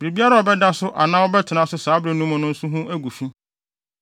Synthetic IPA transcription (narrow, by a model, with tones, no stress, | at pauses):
bɾe˨bi˦a˦ɾa˨ɔ˨bɛ˦da˦sʊ˦ʔa̰˨nã˦wɔ˦bɛ˦tʰɪ˨nã˨sʊ˦saː˨˦bɾe˨nũ˦mʊ̃˨˦nʊ̃˦n̩˦su˦ɦũ˦ʔæ˦ɡu˨fĩ˦